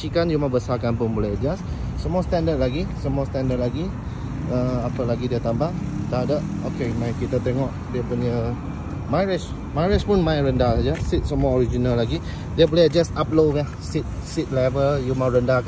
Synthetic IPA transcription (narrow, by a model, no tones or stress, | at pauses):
t͡ʃikanjumabəsakanpʊnbolɛəd͡ʒassəmuast̪andəd̚laɡisəmuast̪andəd̚laɡi | əapəlaɡidiət̪ambaʔt̪aɦadap̚okemãjkit̪at̪eŋɔʔdiəpuɲə | maɹɪʃ | maɹɪʃpʊnmãjɾəndasad͡ʒasit̪̚səmuaoɾid͡ʒinalːaɡi | diəbolɛəd͡ʒasap̚lova | sit̪̚ | sit̪̚levəljumaɾəndak